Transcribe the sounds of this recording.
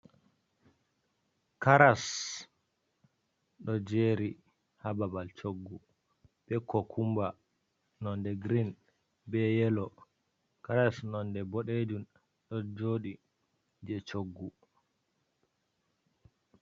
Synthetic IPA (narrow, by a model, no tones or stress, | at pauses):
kaɾas | ɗɔd͡ʒeɾi | hababalt͡ʃoɡːu | bɛkʰːɔkʰumba | nɔndɛɡɾin | bɛjɛlɔ | kaɾasnɔndɛbɔɗed͡ʒun | ɗɔd͡ʒoːɗi | d͡ʒɛt͡ʃoɡːu